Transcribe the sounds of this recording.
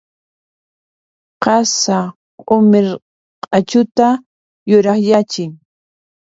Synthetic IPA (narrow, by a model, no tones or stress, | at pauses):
qɑsa | qʼʊmɪɾ | qʼɑt͡ʃʊt̪a | jʊɾɑχjat͡ʃɪŋ